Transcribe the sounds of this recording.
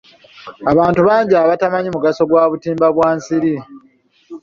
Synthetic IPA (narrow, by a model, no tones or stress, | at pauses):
aβaːntuβaːɲɟiaβatamaɲimuɡaso̞ɡwaːβutiːmbaβwaːnsiɾi